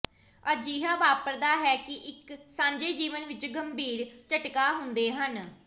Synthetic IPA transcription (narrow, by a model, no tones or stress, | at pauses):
əd͡ʒiːɦaːʋaːpəɾd̪aːɦɛːkɪʔɪksãːɲd͡ʒeːd͡ʒiːʋənʋɪt͡ʃɡəmbiːɾt͡ʃəʈkaːɦʊnd̪eːɦən